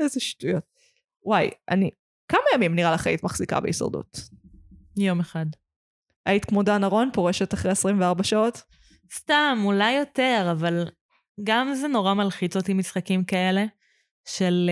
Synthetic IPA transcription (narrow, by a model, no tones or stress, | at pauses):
ezeʃtujot̚ | wajʔa̰ni | kamajamimniʁalaχaḭt̪maχsika̰beisa̰ʁd̪ṵt | jo̞meχad | ajit̪kmodanaʁo̞npoʁeʃetaχʁeasʁimveaʁbaʃaot̪ | st̪amulajːote̞ʁaval | ɡamzeno̞ʁamalχit͡sot̪imisχakimkae̞le̞ | ʃel